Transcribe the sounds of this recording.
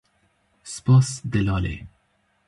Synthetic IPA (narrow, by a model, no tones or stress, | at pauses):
spɑːsd̪elɑːlḛ